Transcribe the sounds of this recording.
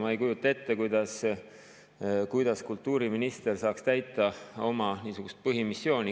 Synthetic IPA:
mɑe̞jkujut̪ˑːɑe̞t̪ːe̞kujd̪̥ɑs | kujd̪̥ɑskult̪ːˑuːɾiminist̪e̞rsɑːkst̪æjt̪ːˑɑo̞mɑniːsuɡ̥ust̪̚pɤɦimisːjo̞ːnʲi

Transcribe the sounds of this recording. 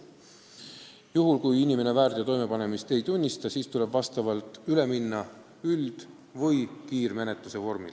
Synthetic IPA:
juɦulkujinʲime̞ne̞væːɾt̪ɑt̪o̞jme̞pɑne̞mist̪e̞jt̪unʲːist̪ɑsiːst̪ule̞bvɑst̪ɑvɑlt̪ˑyle̞minːɑ | yld̪̥ | vɤjkiːɾme̞ne̞t̪luse̞vo̞rmḭl

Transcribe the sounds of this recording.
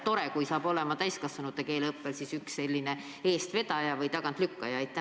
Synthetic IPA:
t̪o̞ɾekujsɑːb̥o̞lɛmɑt̪æjskɑsːɑnut̪ːeke̞ːlɤpːe̞lsisyksːe̞lʲːine | e̞ːst̪ve̞d̪̥ɑjɑvɤjt̪ɑɡ̥ɑnt̪lykːɑjɑejt̪ːˑæ

